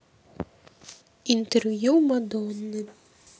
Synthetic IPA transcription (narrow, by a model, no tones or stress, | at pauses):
int̪ɛrvjuwmad̪ɔnːɨ